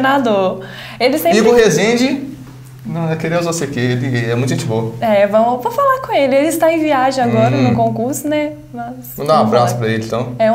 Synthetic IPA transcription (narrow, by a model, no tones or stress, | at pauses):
nad̪oɾ | elɪsẽd͡ʒiɡʊhezẽd͡ʒɪ | nɐ̃ɛkeɾezvosekeelɪɛmũt̪ʊʒẽt͡ʃɪvoɛvɐ̃w̃võw̃falaɾkõelɪelɪɪst̪aẽviaʒẽaɡɔɾɐnʊ̃kõkuɾsʊnɛ | mɐsɐ̃d̪ãabɾasʊ̥pɾɐelɪ̃t̪ɐ̃w̃ɛũ